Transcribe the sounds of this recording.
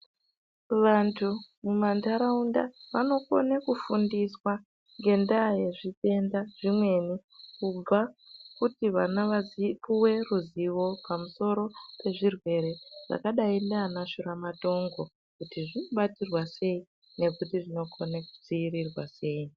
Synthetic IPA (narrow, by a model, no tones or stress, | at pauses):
ʋantʰumumandaɾaundaʋano̞ko̞̰nekufundiswa | ŋɡe̞ndaje̞ʐite̞ndaʐ̥imwe̞nikub͡vakutiʋanaaipuwe̞ruziʋo̞pamuso̞ɾo̞pe̞ʐirwe̞ɾe̞ʐ̥a̰kaɗaindanaʃuɾamato̞ŋɡo̞ | kutiʐinoɓatirwase̞i | ne̞kutiʐino̞ko̞neku̥d͡ziirirwase̞ːi